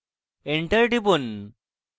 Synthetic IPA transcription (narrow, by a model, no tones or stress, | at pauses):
eɳʈəɾʈipun